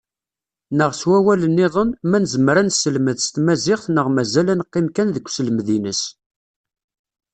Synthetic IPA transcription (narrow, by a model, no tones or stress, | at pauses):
nəʁswæwælənːɪðˤənmænəzəmɾænsːəlməðst̪mæzɪχθnəʁmæzælænəqːɪmkænðəkʷːsəlmðinəs